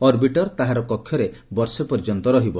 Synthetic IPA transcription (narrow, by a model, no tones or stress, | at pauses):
ɔɾbiʈɔɾt̪aɦaɾɔkɔkʰːjɔɾebɔɾsepɔɾd͡ʒɔnt̪ɔɾɔɦibɔ